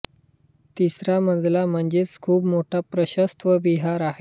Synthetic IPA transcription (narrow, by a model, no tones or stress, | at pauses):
t̪isɾam̤əd͡zlam̤əɳd͡ʑet͡skʰuːbmoʈʰapɾəɕəst̪ʋəbiɦaɾaɦe